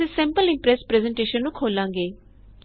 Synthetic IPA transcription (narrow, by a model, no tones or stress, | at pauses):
ĩːsɛ̃ːmpəlɪ̃mpɾɛspɾɛːzɛɳʈeːʃənːũːkʰoːlãːŋɡeː